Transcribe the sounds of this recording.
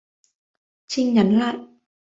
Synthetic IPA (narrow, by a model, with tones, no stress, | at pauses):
t͡ɕi˧ŋɲa˨˦nla̰ː˧˨j